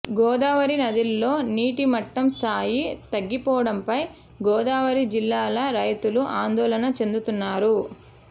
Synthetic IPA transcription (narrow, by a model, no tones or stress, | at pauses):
ɡɔːd̪aːʋɐɾinɐd̪ilːo̞ːniːʈimɐʈːɐmst̪ʰaːjit̪ɐɡːipɔːʋɐɽɐmpɐj | ɡɔːd̪aːʋɐɾid͡ʒilːaːlɐɾɐjt̪uluʔaːnd̪ɔːlɐnɐt͡ʃe̞nd̪ut̪unːaːɾu